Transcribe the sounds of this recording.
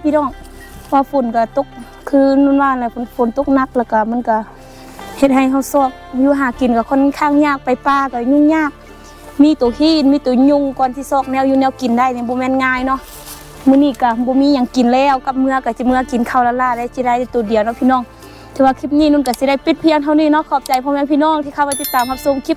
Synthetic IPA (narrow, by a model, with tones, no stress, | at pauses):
pʰiː˧˨nɔː˧˩˨ŋ˧ | waː˧˨fo˨˦nka˧˩t̪o˧˦k̚ | kʰɯː˧˥nu˧˥˨nwaː˧˨la˧˨pʰfʰo˨˦nt̪o˧k̚na˧˩k̚lɛː˧˩wka˧˩ma˧˥˨nka˧˩ | he˧t̪̚ɦa˧˩jɦa˧˩wsɔː˧˩k̚juː˧˨ɦaː˨˩ki˨˦nka˧˩kʰɔ˧˥˨n˧kʰaː˧˥˨ŋɲaː˧˨k̚pa˨˩jpaː˧˨ka˧ɲ˧˨ŋɲaː˧˥˨k̚ | miː˧˥˨t̪oː˨˩hiː˧˥˨t̚miː˧˥˨t̪oː˨˩ɲo˧˨ŋkɔː˨nt̪ʰiː˧˨sɔː˧˩k̚nɛː˧˨wjuː˧nɛː˧˥˨wki˨nda˧˩˨jni˧˨bɔː˧˦mɛː˧˥˨nŋaː˧˥˨jnɔ˧˥˨ʔ | mɯː˧˨niː˧˨ka˧˩bɔː˧˦miː˧˥˨ɲa˨˧˩ŋki˨˩nlɛː˧˩˨wka˧p̚mɯ˧ɐka˧˩si˧˦mɯ˧ɐ˧ki˨˩nkʰa˧˩wlaː˧laː˧˨daː˧˩si˧˦da˧˩˨ja˧˩t̪oː˨˩di˨əwnɔ˧˨pʰiː˧nɔː˧˨ŋ | t̪ʰi˧˦waː˧kʰi˧˥p̚ɲiː˧˨nu˧˨nka˧˩si˧˦da˧˩˨jpe˧n̚pʰi˧ə˨ŋt̪ʰa˧wniː˧˨nɔ˧˨kʰɔː˧˩p̚t͡ɕa˨˦jpʰɔː˧mɛː˧˥˨pʰiː˧˨nɔː˧˨ŋt̪ʰiː˧kʰa˧waː˧t̪i˧˥t̪ːaː˨mha˧p̚so˧˨mkʰi˧˥p̚